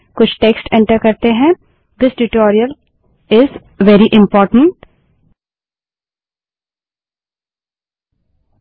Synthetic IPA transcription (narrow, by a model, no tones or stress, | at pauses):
kʊt͡ʃʰʈeːksʈɛ̃ɳʈəɾkɐɾt̪eɦɛ̃ | d̪ɪsʈɪʈɔːɾiəl | ɪz | ʋɛɾiʔɪ̃mpɔːɾʈə̃ɳʈ